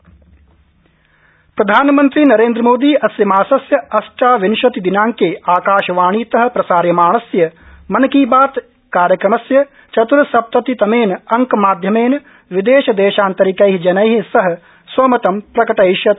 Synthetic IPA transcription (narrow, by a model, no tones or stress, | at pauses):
pɾɐd̪ʱaːnmɐnt̪ɾiːnɐɾeːnd̪ɾɐmoːd̪iːʔɐsjɐmaːsɐsjɐɐsʈaːʋinʃɐt̪id̪inãːŋkeːaːkaːʃɐʋaːɳ̃iːt̪ɐɦɐ̆pɾɐsaːɾjɐmaːɳ̃ɐsjɐ | mɐnɐkiːbaːt̪ | kaːɾjɐkɾɐmɐsjɐ | t͡ʃɐt̪uɾɐsɐp̚t̪ɐt̪it̪ɐmeːnɐŋkmaːd̪ʱjɐmeːn | ʋid̪eːʃɐd̪eːʃaːnt̪ɐɾikɐjɦid͡ʒɐnɐjɦisɐɦɐ̆ | swɐmɐt̪ɐmpɾɐkɐʈɐjʃjɐ